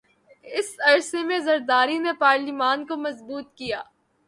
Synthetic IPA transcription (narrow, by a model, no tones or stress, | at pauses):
ɪsɐɾsemẽzɐɾd̪aːɾinepaːɾlimaːnkomɐzbuːt̪̚kijaː